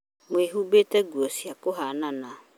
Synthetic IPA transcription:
ŋweɦubetɛɡuɔsiakoɦanãnã

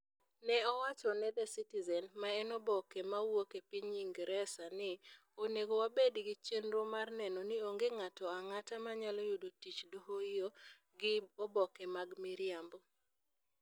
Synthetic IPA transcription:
nɛɔwat͡ʃɔnɛdɛsitizɛnmaɛnɔbɔkɛmawokepiɲiŋɡɾɛsanɪ | oneɡowabedɡɪt͡ʃenɾomarnɛnɔnɪoŋɡeŋatɔaŋatamaɲalɔjodotit͡ʃdoɦoɪjo | ɡɪobɔkɛmaɡmɪɾɪambo

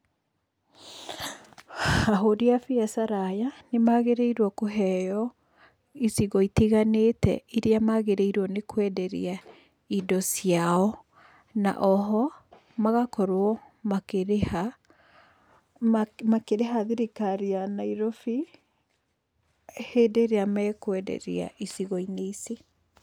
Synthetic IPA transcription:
aɦodiafiasaɾajanemaɣeɾeiɾwɔkoɦɛjɔ | isiɣɔitiɣaneːtɛ̰iɾeamaɣeɾeiɾwɔnekwɛdɛɾḭa | idɔsjaɔ | na̰ʔɔɦɔ | maɣakɔɾwɔ | makeɾeha | makeɾeɦaðiɾikaɾianaiɾɔfi | heːdeːɾeamɛkwɛdɛ̰ɾḛa̰ʔisiɣɔineise

